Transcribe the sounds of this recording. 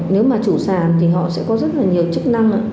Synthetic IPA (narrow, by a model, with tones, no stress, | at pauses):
ne˨˦wmaː˨˩t͡ɕu˧˩saː˨˩nt̪ʰi˨˩ɦɔ̰˧˨sɛ̰˧˥kɔ˨˦zə˦˥t̚laː˨˩ɲi˨˩əwt͡ɕɨ˦˥k̚na˧ŋʔa̰ː˧˦